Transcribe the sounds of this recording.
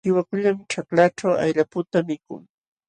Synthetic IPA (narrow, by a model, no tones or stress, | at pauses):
ɪwakʊʎamt͡ʃaklaʈ͡ʂawa̰jʎapʊt̪amɪkʊ̰ŋ